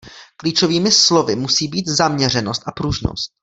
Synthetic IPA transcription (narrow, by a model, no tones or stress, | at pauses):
kliːt͡ʃoviːmɪslo̞vɪmusiːbiːt̪zamɲɛr̝ɛno̞st̪ʔapɾuʒno̰st̪̚